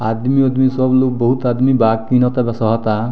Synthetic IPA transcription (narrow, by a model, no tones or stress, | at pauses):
ad̪miɔd̪misɔblok̚bɔɦut̪ad̪mibakːinɔt̪abɛsɔɦɔt̪a